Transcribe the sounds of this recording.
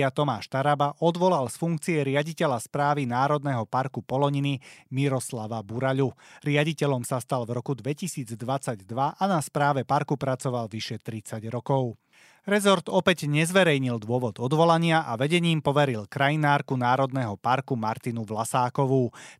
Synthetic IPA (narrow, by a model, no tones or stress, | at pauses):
at̪ɔmaːʃt̪aɾabaʔɔd̪ʋɔlalsfuŋk̚t͡siɛɾɪaɟicɛʎaspɾaːʋinaːɾɔd̪nɛɦɔpaɾkupɔlɔɲinimiɾɔslaʋabuɾaʎuɾɪaɟicɛʎɔmsast̪alvɾɔkud̪ʋɛcisiːd͡zd̪ʋat͡saɟd̪ʋaʔanaspɾaːʋɛpaɾkupɾat͡sɔʋalʋiʃɛt̪ɾit͡saɟɾɔkɔʊ | ɾɛzɔɾd̪ɔpɛɟɲɛzʋɛɾɛjɲild̪ʊɔʋɔd̪ɔd̪ʋɔlaɲɪaʔaʋɛɟɛɲiːmpɔʋɛɾilkɾajinaːɾkunaːɾɔd̪nɛɦɔpaɾkumaɾt̪inuʋlasaːkɔʋuː